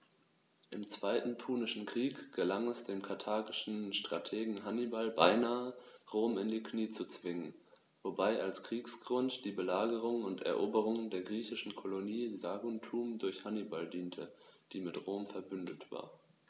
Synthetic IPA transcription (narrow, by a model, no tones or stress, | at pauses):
ʔɪmt͡sv̥aɪtn̩pʰuːnɪʃn̩kʁ̥iːkɡ̥əlaŋɛsd̥eːmkʰatʰaːɡɪʃn̩ʃtʁ̥atʰeːɡŋ̩ɦanibalbaɪnaːəʁoːmɪndiːkniːt͡sut͡sv̥ɪŋən | vobaɪʔalskʁ̥iːksɡ̥ʁʊntd̥iːbəlaːɡəʁ̞ʊŋənʊntɛ̰ɐʔoːbəʁ̞ʊŋəndeːɐɡʁiːçɪʃn̩kʰoloniːzaːɡʊntʰuːmdʊɐçhanibaldiːntʰəd̥iːmɪtʁoːmfɛɐbʏndətv̥a̰ːɐ